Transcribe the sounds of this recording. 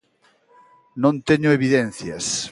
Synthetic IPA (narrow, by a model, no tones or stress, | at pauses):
nõnt̪eɲʊeβiðẽnθjas